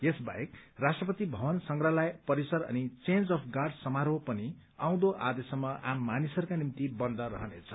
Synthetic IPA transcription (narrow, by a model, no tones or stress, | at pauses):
esba̰jekrasʈrʌpʌt̪ibʱʌbʌnsʌŋɡrʌlajpʌɾisʌɾʌ̰nit͡send͡zʌpʰɡarɖsʌmaɾopʌni | ãw̃d̪oʔa̰d̪esʌmːʌʔamːanisʌɾukanimt̪ibʌnd̪ʱʌɾʌ̰ɦʌnḛt͡sʰʌ̥